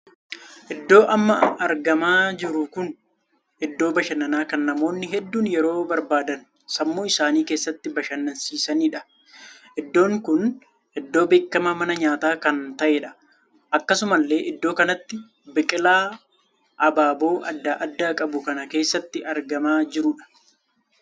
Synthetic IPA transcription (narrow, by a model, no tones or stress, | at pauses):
ʔɪd̪ːo̞ːʔɐmːɐɐɾɡɐmaːd͡ʒɪɾʊkʊn | ʔɪd̪ːo̞ːbɐʃɐnːɐnaːkɐnːɐmo̞ːnːɪɦɛd̪ːuːnjɛɾo̞ːbɐɾbaːd̪ɐn | sɐmːoːɪsaːniːkeːsːɐt̪ːɪbɐʃɐnːɐnsiːsɐniːᶑɐ | ɛd̪ːo̞ːŋkʊn | hɛd̪ːo̞ːbe̞ːkːɐmɐmɐnɐɲaːt̪aːkɐnt̪ɐʔeːᶑɐ̥ | ʔɐkːɐsʊmɐlːe̞ːʔɪd̪ːo̞ːkɐnɐt̪ːɪ | bɪkʼɪlaː | ʔɐbaːbo̞ːʔɐd̪ːaːʔɐd̪ːaːkʼɐbʊkɐnɐke̞ːsːɐt̪ːɪʔɐɾɡɐmaːd͡ʒɪɾʊᶑɐ̥